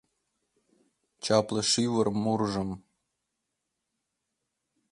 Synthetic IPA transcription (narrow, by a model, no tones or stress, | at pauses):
t͡ɕɑpləʃiwərmurʒə̆m